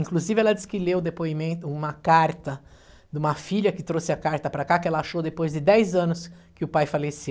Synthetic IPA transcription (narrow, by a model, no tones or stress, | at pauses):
ĩŋkluzivɪɛlɐd͡ʒ̪iskɪlewʊd̪epoimẽnt̪ʊũmɐkaɾt̪ɐ | d̪ũmɐfiʎɐkɪt̪ɾosɪɐkaɾt̪ɐpɾɐkakɪɛlɐaʃowd̪epojzd̪ɪd̪ɛjzɐ̃nʊskɪʊpajfalese